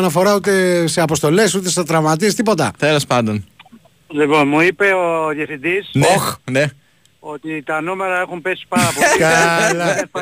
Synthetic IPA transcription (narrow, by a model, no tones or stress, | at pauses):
nɐfo̞ɾɐut̪e̞se̞ɐpo̞st̪o̞le̞sut̪e̞sθɐt̪ɾɐvmɐt̪̬iest̪ipo̞t̪ɐt̪elospɐnd̪o̞n | lipo̞nmuipe̞oðjɐfθind̪isnoxne | o̞t̪it̪ɐnume̞ɾɐexumpesi̥pɐɾɐpoikɐl